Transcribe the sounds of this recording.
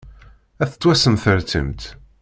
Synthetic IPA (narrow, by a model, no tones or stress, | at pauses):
æθə̥t͡s̪ːwæsəmθəɾt̪ə̰mt̪